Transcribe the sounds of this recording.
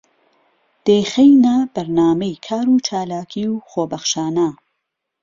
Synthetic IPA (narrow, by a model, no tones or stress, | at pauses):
d̪̥eːxejnabɐɾnaːmejkʰaːɾuːt͡ʃʰaːlaːkʰiːwxoːbɐχʃaːna